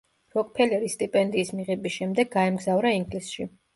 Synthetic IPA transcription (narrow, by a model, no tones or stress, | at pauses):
ɾɔk̚ʼpʰɛlɛɾist̪ʼipʼɛnd̪iːsmiʁɛbisʃɛmd̪ɛɡ̚ːaɛmɡzavɾaiŋɡlisʃi